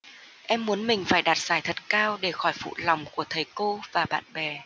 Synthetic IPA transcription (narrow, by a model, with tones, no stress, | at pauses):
ʔɛ˧mːu˨˦ənmï˨˩ŋ̟faː˧˩jɗaː˨˩t̚z̥aː˧˩jt̪ʰə˨˩t̚kaː˧wɗe˧˩xɔ˧˩jfṵ˧˨lɔ˨˩wŋ͡mku˧˩ət̪ʰə˨˩jko˧vaː˨˩ɓa̰ː˧˨nɓɛ˨˩